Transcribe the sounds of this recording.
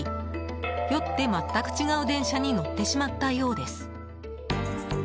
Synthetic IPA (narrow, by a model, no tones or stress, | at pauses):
i | jo̞t̪ːe̞mat̪ːakɯ̥t͡ɕiɡaɯ̟d̪ẽ̞ɰ̃ɕaɲ̟ino̞t̪ːe̞ɕimat̪ːajo̞ːd̪e̞sɨ̥